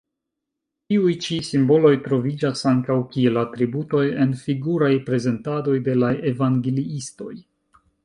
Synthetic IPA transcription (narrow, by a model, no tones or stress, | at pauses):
tiujt͡ʃisimbo̞lo̞jtɾo̞vid͡ʒasaŋkawkielatɾibuto̞je̞nfiɡuɾajpɾe̞ze̞ntado̞jde̞lae̞vaŋɡeliisto̞̰j